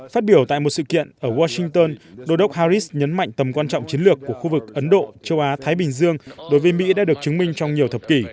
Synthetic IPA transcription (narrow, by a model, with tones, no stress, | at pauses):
faː˦˥t̚ɓi˧˩əwt̪a̰ː˧˨jmo˨˩t̚sɨ̰˧˨kḭ˧˨ənʔəː˧˩waː˧sï˧ŋt̪əː˧nɗo˧˦ɗə˦˥wk͡p̚haː˧zi˦˥sɲə˨˦nma̰˧˨jŋ̟t̪ə˨˩mkwaː˧nt͡ɕɔ̰˧˨wŋ͡mt͡ɕi˨˦nlɨ˨˩əkːu˧˩əxu˧vɨ˨˩k̚ʔə˨˦nɗo̰˧˨t͡ɕə˧wʔaː˨˦t̪ʰaː˨˦jɓï˨˩ŋ̟zɨ˧əŋɗo˨˦jvə˨˦jmḭ˧˥ɗa̰ː˧˥ɗək̚t͡ɕɨ˨˦ŋmï˧ŋ̟t͡ɕɔ˧wŋ͡mɲi˨˩əwt̪ʰə˨˩p̚ki˧˩